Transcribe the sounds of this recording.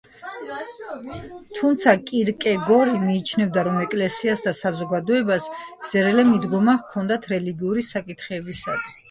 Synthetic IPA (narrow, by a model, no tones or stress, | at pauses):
t̪ʰumt̪sʰakʼiɾkʼɛɡɔɾimiːt͡ʃʰnɛvd̪aɾɔmɛkʼlɛsiasd̪asazɔɡad̪ɔɛbasz̥ɛɾɛlɛmid̪ɡɔmakʰɔnd̪at̪ʰɾɛliɡiuɾisakʼit̪ʰχɛbisa̰d̪ʰ